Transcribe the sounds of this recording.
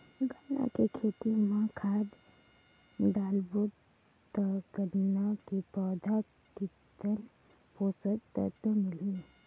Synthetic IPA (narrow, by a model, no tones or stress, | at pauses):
ɡənːa̰kekʰeːt̪imãkʰaːd̪ | ɖaːlbu | t̪əɡənnakipɔːd̪ʱa | ki | t̪ən | poːsət̪ə̰t̪əmɪli